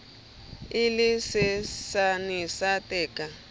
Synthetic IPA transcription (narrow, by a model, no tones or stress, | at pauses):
ilisɪsanisatɛːka